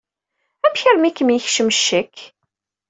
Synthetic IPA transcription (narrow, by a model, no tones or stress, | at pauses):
æmçəɾmikːəmiçʃəmʃːəkː